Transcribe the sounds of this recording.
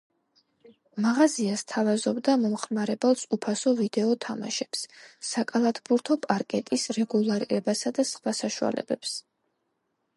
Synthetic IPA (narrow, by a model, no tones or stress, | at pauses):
maʁaziast̪ʰavazɔbd̪amɔmχmaɾɛbɛlˠsupʰasɔvid̪ɛɔt̪ʰama̰ʃɛpsːakʼalˠat̪ʰbuɾt̪ʰɔpʼaɾkʼɛt̪ʼisɾɛɡulˠaɾiɾɛbasad̪asχwasaʃua̰lɛ̰bɛps